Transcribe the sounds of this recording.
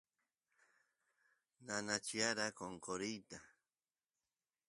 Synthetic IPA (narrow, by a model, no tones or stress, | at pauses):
nanat͡ʃiaɾakoŋkoɾijt̪a